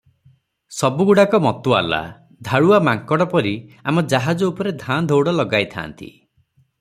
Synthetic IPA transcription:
sɔbuɡuɽakɔmɔt̪ua̰la̰ | d̪ʱaɭuamaŋkɔɽɔpɔɾiamɔd͡ʒaɦad͡ʒɔupɔɾed̪ʱand̪ʱowɽɔlɔɡajt̪ʰa̰nt̪ḭ

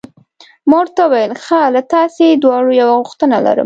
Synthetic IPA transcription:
moɽt̪awajəlxalat̪ɑsed̪wɑɽojawaɣuxt̪ənala̰ɾə̰m

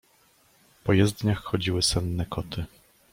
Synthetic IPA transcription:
pɔjɛzd̪ɲaxxɔd͡ʑiwɘsɛnːɛkʰɔt̪ʰɘ

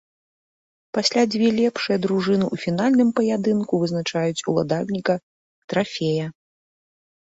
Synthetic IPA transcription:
pasʲlʲad͡zʲvʲɛlʲɛpʂɨjɐd̪ɾuʐɨnɨʔufʲinalʲnɨmpɐjad̪ɨnkuvɨznat͡ʂajut͡sʲulˠa̰d̪alʲnʲikɐ | t̪ɾafʲɛjɐ

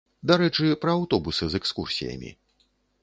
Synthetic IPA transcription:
d̪aɾɛt͡ʂɨpɾɐːwt̪ɔbusɨzɛkskursʲḭjɐ̰mʲḭ

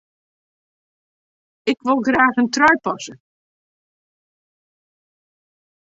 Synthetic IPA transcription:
ɪkʋɪlˠɡraːxəntrɔjpɑsə

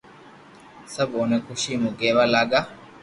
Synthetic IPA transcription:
sɐbonekuʃiːmuɡeːʋaːlaːɡaː

